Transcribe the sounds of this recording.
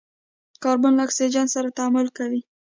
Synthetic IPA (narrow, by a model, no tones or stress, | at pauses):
kɑɾbʊnlaaksid͡ʒansaɾat̪aamʊlkawi